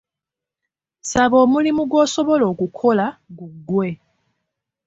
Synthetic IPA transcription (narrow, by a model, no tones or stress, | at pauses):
saβo̞ːmulimuɡwo̞ːso̞βo̞lo̞ːkukʰo̞laɡuɡːwe̞